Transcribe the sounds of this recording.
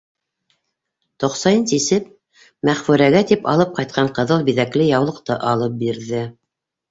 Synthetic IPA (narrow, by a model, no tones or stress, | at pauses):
t̪ŏqsɑjɤnsisɘp̚ | mæχfʉɾæɡæt̪ipɑ̰lˠɤp̚qɑjt̪̚qʰɑɴqɤ̆ðɤlˠbiðæklɘjɑwlˠɤ̆qt̪ɤʔɑlˠɤp̚biɾðɘ